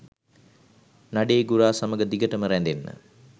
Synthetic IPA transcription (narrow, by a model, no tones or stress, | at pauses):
naɖeːɡuɾaːsaməɡəd̪iɡəʈəməɾænd̪enːə̰